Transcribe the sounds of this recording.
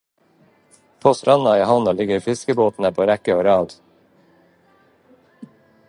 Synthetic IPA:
pʰoːst̪ɾɑnɑiːɦɑnɑlɪɡəɾiːfɪskəboːt̪n̩əpʰoːɾɛkəoːɾɑːd̪

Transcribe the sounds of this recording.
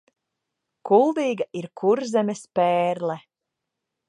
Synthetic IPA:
kulˠd̪iːɡaʔiɾkʰuɾzɛmʲɛspɛːɾlɛ

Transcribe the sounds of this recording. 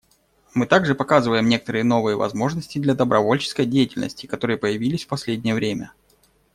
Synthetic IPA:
mɨt̪aɡʐɨpɐkazɨvəjɪmnʲe̞kət̪əɾɨjəno̞vɨjəvɐ̰zmo̞ʐnəsʲtʲɪd̪lʲɐd̪əbɾʔɐvo̞lʲt͡ɕɪ̥skəjdʲejɪtʲɪlʲnə̰sʲtʲɪ̥kɐt̪o̞ɾɨjəpəjɪvʲilʲɪsʲfpɐsʲlʲedʲnʲɪjəvɾʲemʲə

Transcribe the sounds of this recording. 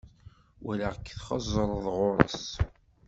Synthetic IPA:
wælæʁəkːθχəzˤːəɾˤðˤʁʊɾˤə̰s

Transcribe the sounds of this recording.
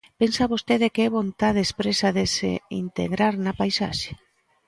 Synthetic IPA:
pensaβost̪eðekeɛβont̪aðespɾesaðesḛḭnt̪ḛɣɾaɾnapajsaʃe̥

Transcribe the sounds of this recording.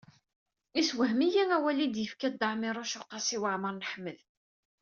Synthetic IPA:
iswəɦmijæŋæwælid̪jəfkæd̪ːaʕmɪɾˤʊʃʊqːɑsiwaʕməɾˤnəħmːəð

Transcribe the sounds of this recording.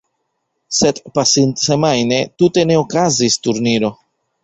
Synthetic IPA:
se̞dpasintse̞majne̞tute̞ne̞okazistuɾniɾo̞

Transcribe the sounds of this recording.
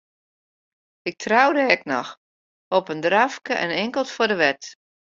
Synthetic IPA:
ɪk̚tʰrawdəɛknɔ̰x | ɔpəndrafkəʔɛ̰nɛŋkəlˠtfodəʋɛt

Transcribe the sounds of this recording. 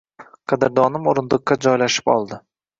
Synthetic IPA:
qʰɑd̪aɾd̪ɒnɪmoɾɪnd̪ˠɨqːad͡ʒɒjlaʃɪ̥pɒ̰lˠd̪ɪ

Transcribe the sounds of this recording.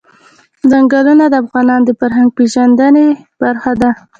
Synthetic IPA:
zaŋɡalunad̪əafɣɑnɑnd̪əfaɾɦaŋɡ̚peʒand̪əneb̥aɾxad̪a

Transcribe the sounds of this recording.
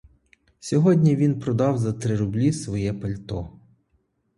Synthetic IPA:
sʲɔɦɔdʲnʲiʋʲinpɾɔd̪ɑwzɐt̪ɾɪɾʊblʲisʋɔjɛpɐlʲt̪ɔ

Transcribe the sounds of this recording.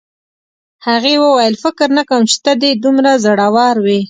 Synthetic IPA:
haɣewəwajəlfɪkɪɾnakawəmt͡ʃɪ̥t̪ad̪ed̪umɾazaɽawɑɾwi

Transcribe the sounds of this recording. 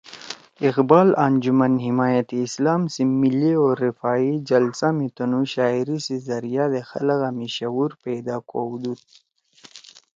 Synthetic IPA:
iqbaːland͡ʑumɐnɦimaːjat̪iːslaːmsimilːioːɾːifaːid͡ʒɐlsamit̪ɐnuɕaːiɾisizɐɾijad̪exɐ̰laɣamiɕɐwuɾpeːd̪aːkoːwd̪ut̪̚

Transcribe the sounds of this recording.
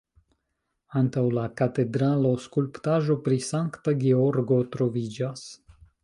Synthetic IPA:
ant̪awlakat̪ed̪ɾaloskulpt̪aʒopɾisaŋkt̪aɡeoɾɡot̪ɾovid͡ʒas

